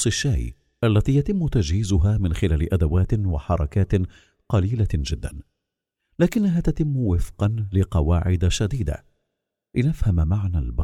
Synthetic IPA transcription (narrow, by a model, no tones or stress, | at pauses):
sˤɪʃːaːj | ʔalːat̪iːjat̪ɪmːʊt̪ad͡ʒhiːzʊɦaːmɪnxɪlaːlɪʔad̪awaːt̪ɪwa̰ħɑɾˤɑkaːt̪ | qɑliːlad͡ʒɪd̪ːa̰n | laːkɪnːaɦaːt̪at̪ɪmːwɪfqɑnlɪqɑwaːʕɪd̪aʃad̪iːd̪a̰ | lɪnafhamamaʕnalbɑ